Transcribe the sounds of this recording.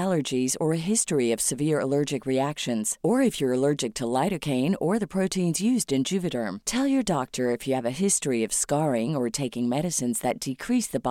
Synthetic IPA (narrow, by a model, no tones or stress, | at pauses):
lˠə˞d͡ʒizə˞ɨɦɪstɹiʌv̥sɨvɪɹə̰lɜ˞d͡ʒɨkɹiækʃɨ̃nz̥ə˞ɨfjə˞ɨlɜ˞d͡ʒɨk̚tʰəlaɪɾɨkʰẽɪ̃nə˞ðɨəpʰɹ̥oʊtĩnzjʉzdɨ̃nd͡ʒʉvɨɾə̃˞mtʰɛlˠjə˞dɑk̚tʰə˞ɨfjɨːvɨɦɪstɹ̥iʌv̥skɑɹɪ̃ŋə˞tʰeɪkɪ̃ŋmɛɾɨsɨ̃nzðɨt̚d̥ɨkʰɹ̥isðɨb